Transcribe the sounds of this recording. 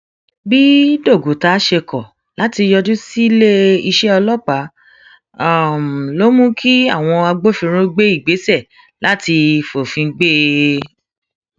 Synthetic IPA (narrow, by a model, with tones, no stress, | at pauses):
bi˦do˦˨ɡo˨ta˧˦ʃe˧kɔ˨ | la˨˦ti˧jɔ˧d͡ʒu˦si˦le˦i˧ʃɛ˦ɔ˧lɔ˦˨k͡pa˨˦˨ | m˨lo˦mũ˦kʰi˦a˦˨w̃ɔ̃˧a˧ɡ͡bo˦fĩ˧ɾ̃ũ˦ɡ͡be˦i˦˨ɡ͡be˨˦sɛ˦˨ | la˨˦ti˧fo˨fĩ˧ɡ͡be˦